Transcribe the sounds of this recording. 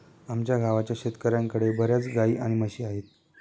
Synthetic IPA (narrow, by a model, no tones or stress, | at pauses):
amt͡ɕjaɡʱaʋat͡ɕjaɕet̪kəɾjaŋkəɽebʱəɾjat͡sɡaiːʔaɽ̃iməɕiːaɦet̪̚